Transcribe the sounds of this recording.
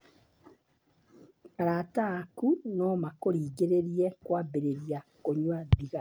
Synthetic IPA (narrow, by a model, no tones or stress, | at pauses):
aɾatakunɔmakoɾiːɡeɾeɾiɛkwabeɾeɾiakoɲwaðiɣa